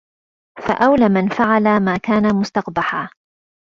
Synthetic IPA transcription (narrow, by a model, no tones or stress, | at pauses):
fa̰ʔawlaːmanfaʕalamaːkaːnamʊst̪ɑqbaħaː